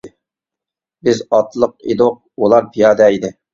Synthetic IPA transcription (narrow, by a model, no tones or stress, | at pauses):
bɪzɑt̪lˠəq̚ḭd̪ʊq̚olˠɑɾpʰijɑːd̪ɛid̪ɪ